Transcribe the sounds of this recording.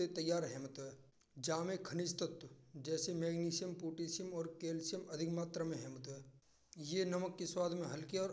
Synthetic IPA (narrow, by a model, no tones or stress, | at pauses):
et̪ɐjːaːɾɦɛːmət̪ɦɛː | d͡ʒaːmẽkʰənɪst̪ət̪d͡ʒɛːsemeːɡniːsijəmpuːʈiːsijəmɔːɾkeːlsijəmɐd̪ʱɪkmaːt̪ɾamẽɦɛːmət̪ɛː | jenəməkːeswaːd̪ʱmẽɦɐlkeɔːɾ